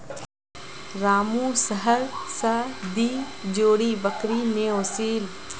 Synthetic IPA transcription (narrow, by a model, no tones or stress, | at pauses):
ɾaːmũːsəɦəɾsɐd̪iːd͡ʒoːɽiːbəkɾiːneoːsiːl